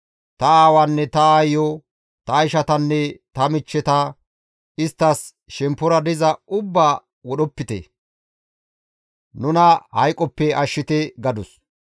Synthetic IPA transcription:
t̪ɐaːwanːɛt̪ɐaːjɔ | t̪ɐɪʃɐt̪ɐnːɛt̪ɐmɪt͡ʃːɛt̪ɐ | ɪst̪ːɐs | ʃɛmpːʊɾɐd̪ɪzɐʊbːaː | wɔɗɔpːɪt̪ɛ̰ | nʊnɐhɐjkʼːɔpːɛʔɐʃːɪt̪ɛɡɐd̪ʊs

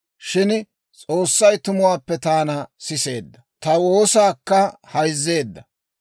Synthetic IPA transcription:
ʃɪn | t͡sʼo̞ːsːɐjt̪ʊmʊwaːpːɛt̪aːnɐsɪse̞̰ːd̪ːɐt̪ɐwo̞ːsaːkːɐhɐjzːe̞ːd̪ːɐ

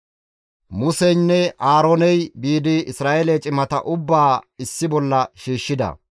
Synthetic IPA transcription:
mʊsɛjnːɛʔaːɾonɛjbiːd̪ɪɪsɾaːʔelɛt͡ʃʼɪmɐt̪ɐ̰ʔʊbːaːɪsːɪbɔlːɐʃiːʃːɪd̪ɐ̰

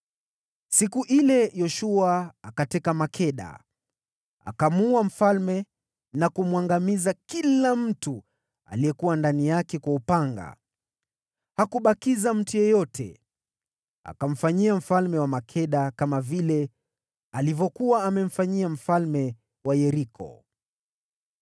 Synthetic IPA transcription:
sikuʔilɛjɔʃuaːkatɛkamakʰɛɗa̰ | a̰kamuam̩falmɛ | nakumwaŋɡamizakilam̩tu | a̰liɛkuwandanijakɛkwaupaŋɡa̰ | hakuɓakizam̩tujɛjɔtʰɛ̰ | a̰kam̩faɲiam̩falmɛwamakʰɛɗakamavilɛ | alivɔkuwaːmɛm̩faɲiam̩falmɛ | wajɛɾikʰɔ̰

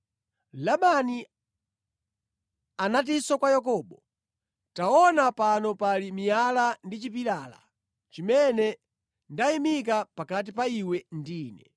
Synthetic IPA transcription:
laɓani | anat̬isɔkwajak̬ɔːɓɔ | taɔnapanɔpalimijalandit͡ʃipiɾaːla̰ | t͡ʃimɛnɛ | ndaimik̬apakat̬ipaiwɛndiːnɛ

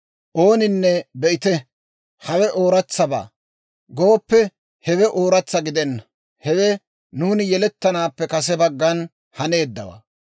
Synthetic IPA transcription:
ʔo̞ːnɪnːɛbɛʔɪt̪ɛ | hɐwɛʔo̞ːɾɐt͡sːɐba̰ː | ɡoːpːɛ | hɛwɛʔoːɾɐt͡sːɐɡɪd̪ɛnːɐ | hɛwɛ | nuːnɪjɛlɛt̪ːɐnaːpːɛkɐs̬ɛbɐɡːɐn | hɐne̞ːd̪ːɐwɐ̰

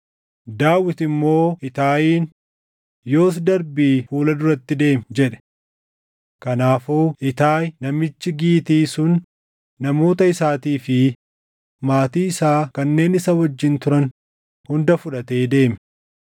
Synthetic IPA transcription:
d̪aːwɪt̪ɪmːo̞ːɪt̪aːjiːn | jo̞ːs̬d̪ɐɾbiːfuːlɐd̪ʊɾɐt̪ːɪd̪e̞ːmd͡ʒɛᶑɛ̥ | kɐnaːfuːɪt̪aːjnɐmɪt͡ʃːɪɡiːt̪iːsʊnː | ɐmo̞ːt̪ɐɪsaːt̪iːfɪ | maːt̪iːɪsaːkɐnːe̞ːnɪsɐwɔd͡ʒːɪnt̪ʊɾɐn | hʊnd̪ɐfʊᶑɐt̪e̞ːd̪e̞ːmɛ

